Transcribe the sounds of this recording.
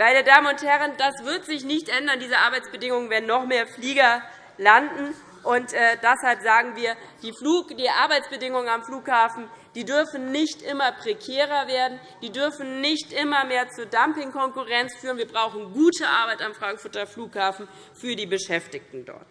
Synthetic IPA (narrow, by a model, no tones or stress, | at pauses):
maɪnədaːmənʊnthɛʁənd̥asv̥ɪɐtz̥ɪçnɪçtʔɛndɐndiːzəʔaɐbaɪt͡sb̥ədɪŋʊŋənvɛɐdn̩ːɔχmeːɐfliːɡɐ | landn̩ | ʔʊntʔɛːd̥ɛshalpz̥aːɡŋ̩viːɐ | d̥iːfluːd̥iːʔa̰ɐbaɪt͡sb̥ədɪŋʊŋənamfluːkhaːfn̩d̥iːdʏɐfn̩nɪçtʔɪmɐpʁ̥ekʰɛːʁ̞ɐveːɐdn̩ | d̥iːdʏɐfn̩nɪçtʔɪmɐmeːɐt͡suːɐdampɪŋkɔŋkuʁɛnt͡sfyːʁənviːɐbʁaʊxn̩ɡuːtʰəʔa̰ɐbaɪtamfʁ̥aŋkfʊɐtɐfluːkhaːfn̩ | fyːɐdiːbəʃɛftɪçtn̩dɔ̰ɐt